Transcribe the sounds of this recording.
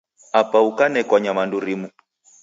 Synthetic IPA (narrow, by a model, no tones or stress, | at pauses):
apaukanɛkwaɲamanduɾimu